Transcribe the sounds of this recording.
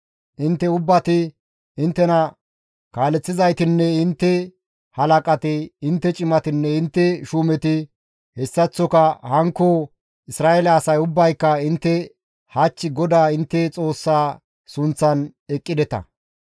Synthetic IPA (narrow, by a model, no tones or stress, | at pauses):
ʔɪnt̪ːɛʊbːɐt̪ɪ | ɪnt̪ːɛnɐ | kaːlɛt͡sːɪzɐjt̪ɪnːɛɪnt̪ːɛ | hɐlɐkʼɐt̪ɪɪnt̪ːɛt͡ʃʼɪmɐt̪ɪnːɛɪnt̪ːɛʃuːmɛt̪ɪ | hɛsːɐt͡sːɔkɐhɐŋkːo | ɪsɾaːʔɛlɐːsɐjʊbːɐjkːɐɪnt̪ːɛ | hɐt͡ʃːɪɡɔd̪aːɪnt̪ːɛt͡sʼo̞ːsːaː | sʊnt͡sːɐnɛkʼːɪd̪ɛt̪ɐ̰